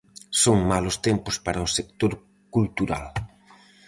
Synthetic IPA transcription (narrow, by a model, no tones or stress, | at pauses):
soŋmalʊst̪empʊspaɾɐʊsek̚t̪oɾ | kult̪uɾa̰l